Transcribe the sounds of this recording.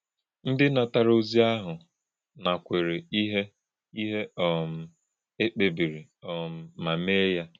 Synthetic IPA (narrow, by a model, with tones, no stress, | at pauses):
n̩˦dɪ˦na˨ta˨ɾo˦zi˦a˦ɦʊ˨ | na˨kʷe˨ɾe˨i˦ɦe˦ | i˦ɦe˦ɔ˨m̩˨ | e˦k͡pe˨bi˨ɾi˨ɔ˨m̩˦ma˨me˦ja˦